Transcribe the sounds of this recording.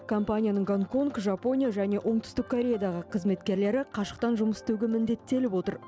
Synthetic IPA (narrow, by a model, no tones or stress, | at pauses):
kʰo̞mpanʲijanəɴɡoŋko̞ŋkʒɑpo̞nʲijaʒæne̞ʔo̞ɴt̪ʰʏ̥st̪ɪk̚kʰːoɾʲe̞jad̪ɑʁəqʰəzme̞t̪̚kʲe̞ɾle̞ɾɪqʰɑʃə̥q̚t̪ɑnʒʊməst̪ʰewɡʲemɪnd̪e̞t̪ːe̞lɪpwo̞t̪əɾ